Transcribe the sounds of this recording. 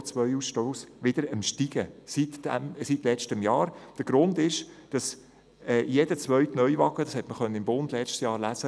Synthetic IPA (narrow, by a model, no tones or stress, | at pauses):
t͡sʋœjusʃtoːsʋɪd̥əɾəmʃtiɡ̥əsitːæmsitlɛt͡ʃtəmjɑːɾd̥əɡ̥ɾʊndɪʃd̥ɑs | ɛːjɛd̥ət͡sʋœɥtnœʏʋɑɡ̥əd̥ɑshɛtməχœnːəɪmbʊnd̥̪lɛt͡ʃtsjɑːɾlæzə